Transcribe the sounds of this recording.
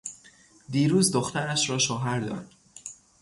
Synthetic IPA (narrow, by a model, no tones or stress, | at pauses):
d̪iːɾuːzd̪oxt̪æɾæʃɾɒːʃoɦæɾd̪ɒ̰ːd̪